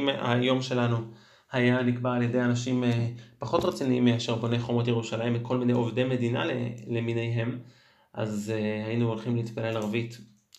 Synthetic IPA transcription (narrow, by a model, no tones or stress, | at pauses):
ma̰jo̞mʃe̞lanu | hajanikbaːljede̞janaʃimepaχo̞tʁet͡siniimːeaʃeʁbonejχomotjeʁuʃalajimekʰo̞lmine̞jo̞vdejme̞dina̰lḛleminejɦe̞m | ʔa̰zehainuolχimleit̪pale̞laʁvit